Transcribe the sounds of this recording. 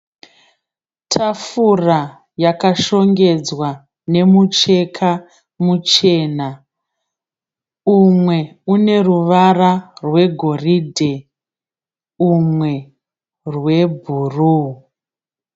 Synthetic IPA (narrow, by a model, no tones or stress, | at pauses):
tʰafura | jakaʃo̞ŋɡe̞d͡zwa | ne̞mut͡ʃe̞kʰa | mut͡ʃe̞ːna | umwe̞une̞ruʋararwe̞ɡʱo̞ridʱe | umwe̞ | rwe̞bʱuru